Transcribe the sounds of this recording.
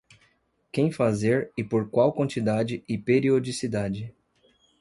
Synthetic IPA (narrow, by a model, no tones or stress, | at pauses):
kẽj̃fazeɾɪpoɾkwawkwɐ̃nt͡ʃid̪ad͡ʒɪʔɪpeɾiod͡ʒisid̪ad͡ʒɪ